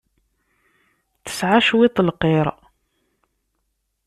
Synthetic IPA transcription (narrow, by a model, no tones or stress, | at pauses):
θə̥sʕaʃwɪt̪ˤəlqeɾˤ